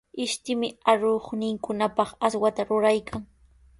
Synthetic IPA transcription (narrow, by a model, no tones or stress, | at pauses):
ɪʃt̪ɪmɪaɾoχnɪŋkʊnapɑχaswat̪aɾʊɾajkʰaŋ